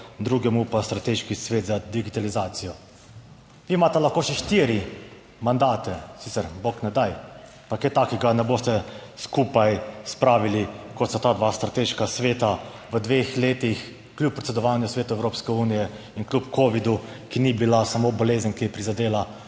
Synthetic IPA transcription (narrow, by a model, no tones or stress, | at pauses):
d̪ɾuɡɛmupast̪ɾat̪eʃkisʋeːt̪zad̪iɡit̪alizaːt̪sijɔ | ʋiːmaːt̪ɛlaxkoːʃɛʃt̪iːɾi | mand̪aːt̪ɛsit̪sɛɾboknɛd̪aj | paket̪aːkiɡanɛboːst̪ɛskupajspɾaːʋilikɔt̪sat̪aːd̪ʋaːst̪ɾat̪eʃkasʋeːt̪aʋəd̪ʋeːxleːt̪ix | klʲjup̚ːɾɛt̪sɛd̪ɔʋaːnjusʋeːt̪uɛwɾoːpskɛuːnijɛ | inklʲupkʰoʋid̪u | kinibilasamoboleːzənkijɛpɾizad̪eːla